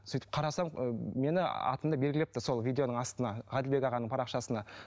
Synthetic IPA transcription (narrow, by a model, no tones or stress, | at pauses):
syjt̪ɪ̥p̚qʰɑɾɑsɑmme̞nɪɑ̰t̪əmd̪ɑbelɡʲɪlep̚t̪ɪso̞lˠvʲijd̪eo̞nəɴɑst̪ənɑʁæd̪ɪlbe̞ɡʲɑʁɑnəɴpʰɑɾɑqʃɑsənɑ